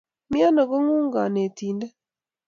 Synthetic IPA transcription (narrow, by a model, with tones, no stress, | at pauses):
mja˦no˨ɡo˦ŋu˦ŋɡa˨ne˨ti˨nde˦